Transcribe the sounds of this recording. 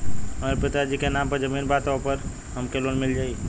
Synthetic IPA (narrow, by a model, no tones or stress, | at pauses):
ɦəmaɾepɪt̪ad͡ʒikenampəɾd͡ʒəmiːnbat̪opəɾ | ɦəmkelonmɪld͡ʒaːi